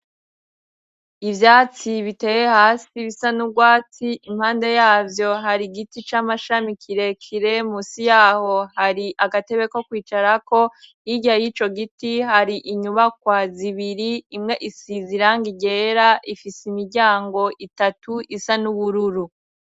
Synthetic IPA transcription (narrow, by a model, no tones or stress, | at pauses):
ivjaːt͡siβite̞ːje̞haːsiβisanub̚ɡwaːt͡siʔim̥haːnde̞jaːvjo̞ɦaɾiɡitit͡ʃaːmaʃamikʰiɾe̞kʰiɾe̞muːsijaːho̞haɾiʔaɡate̞βe̞ko̞kwiːt͡ʃaɾako̞ | iɟajiːt͡ʃo̞ɡitihaɾiʔiɲuβakwaziβiɾiimŋe̞ʔisiziɾaŋɡiɟe̞ːɾaʔifiseimiɾɟaːŋɡo̞ʔitatuʔisanuβuɾuɾu